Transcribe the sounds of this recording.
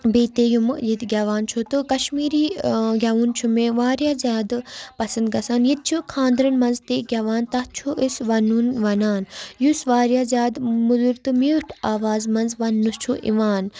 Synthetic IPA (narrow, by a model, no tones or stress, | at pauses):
beːt̪eːjumɨjid̪ɡʲɐʋaːnt͡ʃʰut̪ɨkɐʃmiːɾiːɡʲɐʋuːnt͡ʃʰumẽːʋaːɾjaːzʲaːd̪pɐsɐnd̪̚ɡɐsaːnjit̪̚t͡ʃʰukʰãːnd̪ɾɐnmɐnzt̪eːɡʲɐʋaːnt̪ɐht͡ʃʰuʔisʋɐnunʋɐnaːnjusʋaːɾjaːzʲaːd̪mud̪uɾt̪ɨmiʈʰaːʋaːzmɐnzʋɐnːust͡ʃʰuʔḭʋaːn